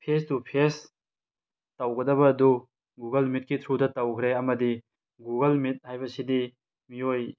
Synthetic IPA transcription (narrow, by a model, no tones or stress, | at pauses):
pʰesdupʰes | tawɡɐdɐbɐːdu | ɡuɡɐlmit̚kitʰudɐtawkʰɾeɐmɐdi | ɡuɡɐlmit̚hajbɐsidi | mioj